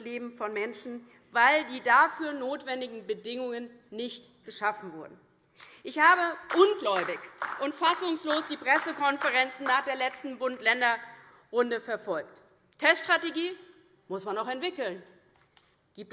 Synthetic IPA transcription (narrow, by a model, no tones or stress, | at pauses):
leːbm̩fɔnmɛnʃn̩ | vaɪldiːdafyːɐnoːtv̥ɛndɪɡŋ̩bədɪŋʊŋən | nɪçt | ɡ̥əʃafn̩vʊɐdn̩ | ʔɪçhaːbəʔʊnɡlɔʏbɪçʔʊntfasʊŋsloːsd̥iːpʁ̥ɛsəkʰɔnfəʁɛnt͡sn̩naːχd̥eːɐlɛt͡stn̩bʊntlɛndɐ | ʁʊndəfɛɐfɔlk̚t | tʰɛstʃtʁ̥ateɡiː | mʊsmanaχɛntv̥ɪkl̩n | ɡ̥iːp̚t